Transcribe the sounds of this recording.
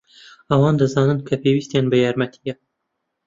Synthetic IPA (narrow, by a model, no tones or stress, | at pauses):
ɐwɑːnd̪ɨzɑːnɨnkʰɐpeːwist̪eːnbɨjɑːɾmɐt̪ʰijɛ